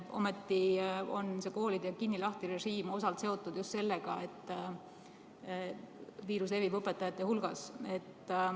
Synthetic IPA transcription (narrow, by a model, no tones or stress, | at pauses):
ʔo̞̰met̪ˑːio̞̰nse̞ko̞ːlid̪̥jɑkinːilɑht̪iɾe̞ʒiːmo̞sɑlt̪se̞o̞t̪ːˑud̪̥just̪se̞lːeɡ̥ɑe̞t̪ˑː | viːɾus̬le̞vivɤpːˑe̞t̪ːˑɑjɑt̪ːˑe̞hulɡ̥ɑse̞t̪ː